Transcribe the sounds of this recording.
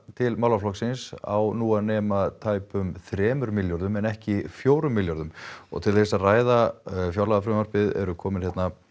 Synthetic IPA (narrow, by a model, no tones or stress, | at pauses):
t̪ʰɪlmawlaflɔksɪnsa̰wnuːanɛːmat̪ʰaːjpʏmθɾɛːmʏɾmɪljɔɾðʏmɛnɛhcɪfjoːwɾʏmːɪljɔɾðʏmɔ̰ɣt̪ʰɪlθejsaraːjðafjawlaðafɾʏmaɾ̥pɪðɛ̰ɾʏkʰɔːmɪnçjɛt̪na